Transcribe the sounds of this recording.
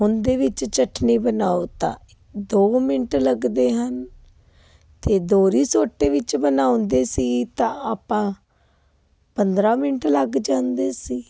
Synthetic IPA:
ɦʊnd̪eːʋɪt͡ʃt͡ʃəʈniːbənaːot̪ã̰ː | d̪oːmɪnʈləɡd̪eːɦən | t̪eːd̪oːɾiːsoːʈːeːʋɪt͡ʃbənaːõnd̪eːsiːt̪ãːaːpãː | pənd̪ɾãːmɪnəʈləɡd͡ʒãːnd̪eːsiː

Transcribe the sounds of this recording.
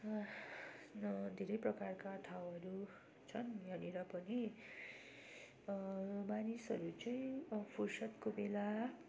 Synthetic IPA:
d̪ʱeɾʌjprʌkarkaʌt̪ʰawʌɾu | t͡sʰʌnbʱʌneɾʌpʌni | manisɦʌɾut͡sʌj̃pʰursʌt̪kobela

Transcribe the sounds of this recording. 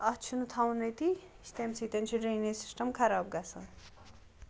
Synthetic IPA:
ʌt͡ʃʰunut̪ʰawnɐjt̪i | st̪emsit̪ent͡ʃʰiɖɾejnesi̥sʈɐmkʰɐɾaːb̚ɡasɐn

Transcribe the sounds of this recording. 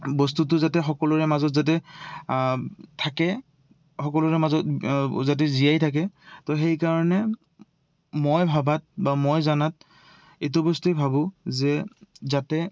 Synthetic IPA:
bɔstutʊzatɛxɔkɔlɔɹɛmazɔtzat̬ɛ | tʰakɛ | xɔkɔlɔɹɛmazɔt̚zat̬ɛzijajtʰak̬ɛtɔxejkaɹɔnɛ | mɔjbʱabat̚bamɔjzanat̚ | et̬ɔbɔstejbʱabʊzɛzatɛ

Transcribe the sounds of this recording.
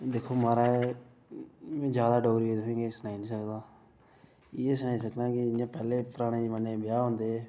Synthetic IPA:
d̪eːkʰːoːmaːɾaːe | mẽːd͡ʒjaːd̪aːɖɔːɡɾiːet̪ʊsẽːɡesənaːinĩːsəkd̪aː | ɪeːsənaːisəknãːkɪãːpɛːleːpəɾaːɽ̃eːməneːbɪjaːɦõnd̪eː

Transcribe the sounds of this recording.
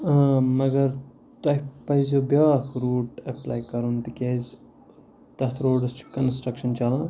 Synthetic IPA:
mɐɡɐɾ | t̪ɐjppɐjzobjaːkʰɾuːʈepla̰ːjkɐɾunt̪ikʲez | t̪ɐt̪ʰɾoːɖskɐnsʈɾɐkʃɐnt͡ʃɐlã

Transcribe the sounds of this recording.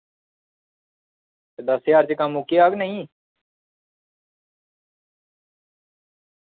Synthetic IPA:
t̪ed̪əsjaːɾt͡ʃkamukiaːɡnəĩː

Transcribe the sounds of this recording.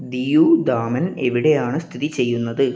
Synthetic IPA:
d̪ijuːd̪aːmɐneʋiɽe̞jaːɳɨst̪ʰiðit͡ɕe̞jːunːɐðɨ

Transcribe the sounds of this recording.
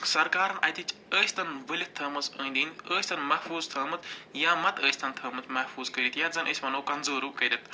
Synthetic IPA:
sɐɾkaːɾɐnʔɐt̪it͡ʃʰəːsʰʲt̪ɐnʋəlʲit̪ʰːɐːmɐzəːnd̪iːnəːsʰʲt̪ɐnmɐhfuːzt̪ʰɐːmɐt̪jaːmɐt̪əːsʰʲt̪ʰɐnt̪ʰɐːmɐt̪mɐhfʰuːzkɐɾʲit̪jazɐnʔɨsʲmɐnoːkɐnzoːɾuːkɐɾʲɐt̪ʰ

